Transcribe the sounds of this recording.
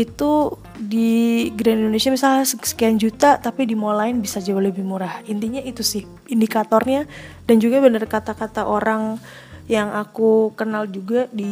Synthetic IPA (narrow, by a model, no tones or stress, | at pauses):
it̪u | diɡɾanindonesiamisalsəsə̥kiand͡ʒut̪at̪apidimolaɪnbisad͡ʒabaləbihmuɾahint̪iɲait̪usɪh | indikat̪ɔrɲa | d̥and͡ʒuɡabənərkat̪akat̪aʔoɾaŋ | jaŋakukənald͡ʒuɡadi